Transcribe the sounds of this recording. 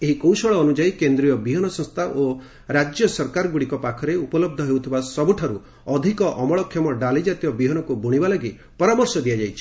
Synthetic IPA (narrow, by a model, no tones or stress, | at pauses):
eɦikɔw̃sɔɭɔːnud͡ʒaikend̪ɾijɔbiɦɔnɔsɔ̃ŋst̪ʰaʔo | ɾad͡ʒjɔsɔɾkaɾɔɡuɽikɔpakʰɔɾeupɔlɔb̚d̪ʱɔɦewt̪ʰibasɔbuʈʰaɾu | ɔd̪ʱikɔʔɔmɔɭɔkʰːjɔmɔɖalid͡ʒat̪ijɔbiɦɔnɔkubuɽ̃ibalaɡi | pɔɾamɔɾsɔd̪ijad͡ʒajt͡ʃʰi̥